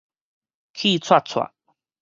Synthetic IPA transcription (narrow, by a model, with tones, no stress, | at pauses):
kʰi˥˧˨t͡sʰwa˥˧t͡sʰwa̰˨˩